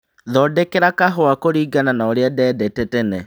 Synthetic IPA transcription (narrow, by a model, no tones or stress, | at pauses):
ðɔdɛkeɾakaɦoakoɾiːɡananaoɾeadɛːdɛtɛtɛnɛ